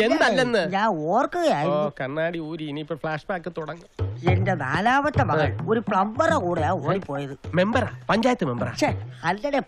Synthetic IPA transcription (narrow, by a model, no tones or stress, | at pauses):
end̪ɐlːenːɨɲaːnoːrkːɨɣɐjaːjikɐɳːaːɽiuːɾiiniipːofɭaːʂbaːkːɨt̪uɽɐŋːɨendena̰ːlaːʋɐt̪ːɐmɐɣɐɭo̞ɾupɭɐmbɐrɐkuːɽejaːoːɽipːo̞ːjɐðɨme̞mbɐɾa̰ːpɐɲd͡ʑaːjɐt̪ːɨme̞mbɐra̰ɕehɐlːɐɽe